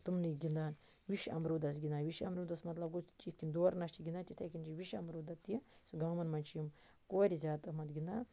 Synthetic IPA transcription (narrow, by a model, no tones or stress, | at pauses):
t̪umniɡʲind̪aːn | ʋiʃɐ̰mɾuːd̪ɐs̬ɡʲind̪aːnʋiʃɐ̰mɾuːd̪ɐsmɐt̪lɐbɡut͡ʃiːt̪kind̪oːɾnɐʃt͡ʃiɡʲind̪aːnt͡ʃ̪ʲit̪ʰɐkʲint͡ʃiʋiʃɐmɾuːd̪ɐt̪ːisuɡɐmɐnmɐnʲt͡ʃʰijim | koːɾʲizʲjaːt̪mɐt̪ɡʲind̪aː